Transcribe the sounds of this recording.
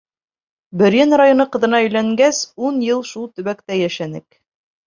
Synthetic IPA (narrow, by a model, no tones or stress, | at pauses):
bɘ̆ɾjɘnrajonɤqɤ̆ðɤ̆nɑɵ̆jlæŋɡæsunjɤlˠʃulˠt̪ɵ̆βækt̪æjæʃænɘ̰k